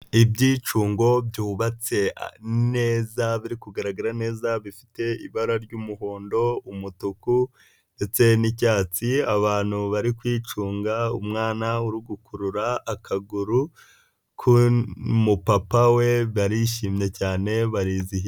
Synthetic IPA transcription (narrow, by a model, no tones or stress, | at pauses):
ibɟiːt͡ʃuːŋɡo̞bɟuːβat͡se̞ne̞ːzaβiɾikuɡaɾaɡaɾane̞ːzaβifi̥te̞iβaɾaɾɟumuɦo̞ːndo̞umutuku | nde̞t͡se̞nicaːt͡siaβaːn̥huβaɾikwiːt͡ʃuːŋɡaumŋaːnauɾiɡukuɾuɾaːkʰaɡuɾu | kʰumupapawe̞βaɾiʃiːmɲe̞caːne̞βaɾiːzihi